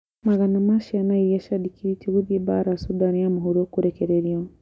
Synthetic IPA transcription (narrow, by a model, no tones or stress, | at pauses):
maɣanamaʃianaiɛʃaɗikiɾitiwiðɛbaɾasudaniamuɦuɾɔkuɾɛkɛɾɛɾiɔ